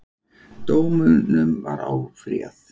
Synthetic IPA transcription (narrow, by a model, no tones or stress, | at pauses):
t̪oːwmʏnʏmvaɾawfɾiːaθ